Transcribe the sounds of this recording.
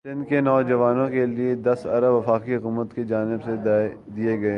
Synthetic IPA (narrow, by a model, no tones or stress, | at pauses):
sɪ̃nkenɔːd͡ʒɐʋaːnõkelied̪ɐsɐɾəbʋɐfaːkiɦʊkuːmət̪ked͡ʒaːnɪbsed̪ad̪ieɡɐe